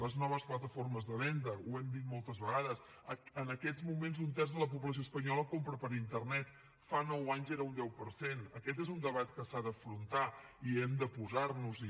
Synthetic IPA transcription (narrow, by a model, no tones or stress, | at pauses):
ləznɔβ̞əsplət̪əfoɾməzðəβɛnd̪əuɛmd̪it̪mɔlˠt̪əzβəɣaðəs | əənəkɛzmumenzunt̪ɛrzðələp̬up̬ləs̬ioəspəɲɔləkompɾəpəɾint̪ərnɛt̪ | fanɔwaɲzɛɾəund̪ɛwpəɾsenəkɛt̪̬ezund̪əβ̞at̪kəsaðəfɾunt̪a | iɛmd̪əpuzarnuz